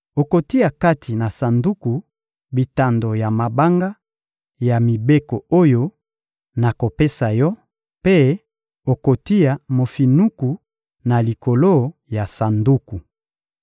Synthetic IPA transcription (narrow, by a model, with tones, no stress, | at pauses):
o˨ko˨ti˦a˨ka˦tʰi˨na˨sa˨ndu˦ku˨ | bi˨ta˨ndo˨ja˨ma˨ba˦ŋɡa˦ | ja˨mi˨be˦ko˨o˦jo˦ | na˨ko˨pe˦sa˨jɔ˦ | pe˦ | o˨ko˨ti˦a˨mo˨fi˨nu˦ku˨ | na˨li˨ko˨lo˦ja˨sa˨ndu˦ku˨